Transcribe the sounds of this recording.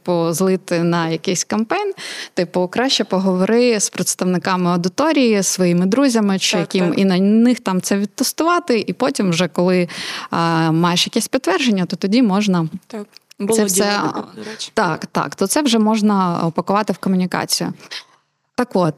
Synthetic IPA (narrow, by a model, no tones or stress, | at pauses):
pʊzlˠɪt̪ɪnɐjɐkɪsʲkɐmpɛjnt̪ɪpʊkɾɑɕʲt͡ʃɛpɔɦɔʋɔɾɪspɾet̪st̪ɐʋnɪkɑmɪɐd̪ɪt̪ɔɾʲijisːʋɔjimɪd̪ɾuzʲɐmɪt͡ʃɪjɐkʲiminɐnɪxt̪ɑmt̪sɛʋʲid̪̚t̪ɔst̪ʊʋɑt̪ɪʔipɔtʲimwʒɛkɔlˠɪ | mɑjeʃjɐkɛsʲpʲɪt̪t̪ʋɛrʒenʲːɐt̪ɔt̪ɔdʲimɔʒnɐ | ɛsɛ | t̪ɑkt̪ɑ̰kt̪ɔt̪sɛʋʒɛmɔʒnɐɔpɐkʊʋɑt̪ɪwkɔmʊnʲikɑ̰t͡sʲijʊ̰ | t̪ɑkʋot̪̚